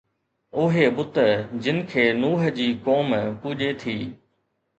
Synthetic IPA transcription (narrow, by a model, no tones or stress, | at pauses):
ʊɦeɓʊt̪əd͡ʑɪnɪ̆kʰeːnuːɦə̆d͡ʑiːkoːmpuːʄet̪ʰiː